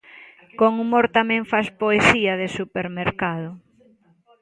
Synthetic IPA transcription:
koŋumoɾt̪amɛ̃ŋfaspoesiɐðesupeɾmeɾkaðʊ

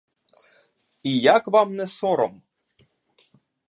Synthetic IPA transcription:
ijakʋamnɛsɔɾɔm

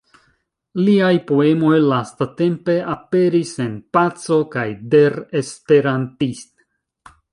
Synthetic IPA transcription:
liajpo̞e̞mo̞jlastate̞mpe̞ape̞ɾise̞npat͡so̞kajde̞ɾespe̞ɾantist

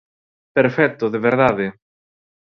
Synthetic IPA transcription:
peɾfɛt̪ːoðeβeɾðaðe

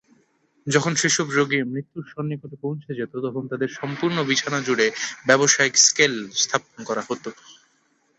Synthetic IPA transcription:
d͡ʑɔkʰonʃeʃɔbɾoɡimɾit̪ːuɾʃɔnːikot̪opõw̃t͡ɕʰed͡ʑet̪ot̪ɔkʰont̪ad̪eɾʃɔmpuɾnobit͡ɕʰanad͡ʑuɽebɛboʃaikskelst̪ʰaponkɔɾahot̪o

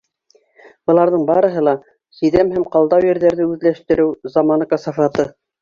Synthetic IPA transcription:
bɤ̆lˠɑɾðɤɴbɑɾɤ̆ɦɤlˠɑ | sĭðæmhæmqɑlˠd̪ɑwjɘ̆ɾðæɾðɘʉðlæʃt̪ɘ̆ɾɘwzamɑnkəsɑfɑt̪ɤ

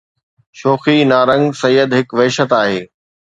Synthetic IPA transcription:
ʃoːxinaːɾə̃ŋɡsɐjːəd̪ɦɪkʋɛːʃət̪aːɦeː

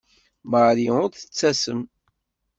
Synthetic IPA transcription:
məɾiʊɾθə̥t͡sːæsəm

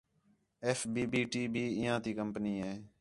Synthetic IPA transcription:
eːfbiːbiːʈiːbʱiːɪjãːt̪iːkəmpniːɦeː

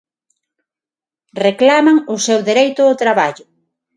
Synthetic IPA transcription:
reklamaŋʊsewðeɾejt̪ʊːt̪ɾaβaʎʊ

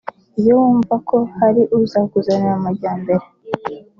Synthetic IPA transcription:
ijowuːɱvako̞haɾiʔuzakuzaneɾamaɾɟaːmbe̞ɾe

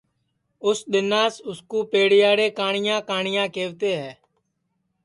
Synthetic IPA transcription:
ʊsɗ̪ɪnaːsʊskuːpeːɽɪjaːɽeːkaːɳɪjãːkaːɳɪjãːkeːʋt̪eːɦɛː

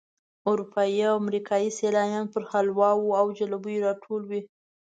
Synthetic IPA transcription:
ʊɾupʰɑjiawamɾikʰɑjiselɑjɑnpəɾxalwɑwuawd͡ʒalubujeɾɑʈʰolwi

